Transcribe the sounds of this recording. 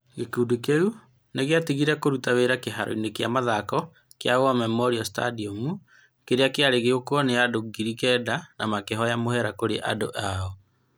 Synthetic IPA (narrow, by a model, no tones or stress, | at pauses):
ɣekuːdukeu | neɣeatiɣiɾɛkoɾutaweɾakeɦaɾʔɔ̰inekeamaðakɔ | keaowamɛmɔɾiɔsta̰diɔmu | keɾeakeaɾeɣeɣokwɔneadoɡiɾikɛdanamakeɦɔjamohɛɾakoɾeʔa̰do̰ʔaɔ